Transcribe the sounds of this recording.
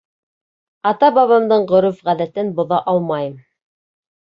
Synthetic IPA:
ɑt̪ɑbɑβɑmd̪ɤɴʁɵ̆ɾɵfʁæðæt̪ɘnbŏðɑʔɑlˠmɑjɤm

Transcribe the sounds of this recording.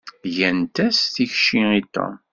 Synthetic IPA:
ʝænt̪æsθiçʃiit̪ːo̰m

